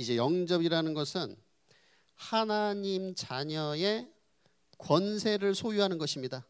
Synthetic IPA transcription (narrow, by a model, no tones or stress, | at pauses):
id͡ʑe̞jʌŋd͡ʑʌbiɾanɯnɡʌsʰɯn | hanaɲimt͡ɕaɲʌe | kwʌnsʰe̞ɾɯɭsʰojuɦanɯnɡʌɕʰimɲida